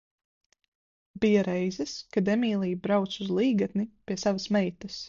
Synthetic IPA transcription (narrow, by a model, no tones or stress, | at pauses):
bijaɾɛjzɐskad̪ɛmiːlˠijbɾawt̪suzlˠiːɡat̪nipʲiɛsavɐsmɛjt̪ɐs